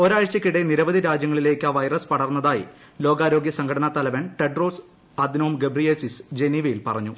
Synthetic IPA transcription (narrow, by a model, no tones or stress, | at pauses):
o̞ɾaːjɐt͡ɕɐkʲːiɽeniɾɐʋɐd̪iɾaːd͡ʑjɐŋːɐɭile̞ːkːaːʋɐjrɐspɐɽɐrnːɐðaːjḭ | loːɡaːɾo̞ːɡjɐsɐŋkʰɐɽɐnɐt̪ɐlɐʋɐnʈeɖroːs | ɐd̪ʱinɐumɡebriesisd͡ʑe̞niʋɐjilpɐrɐɲːu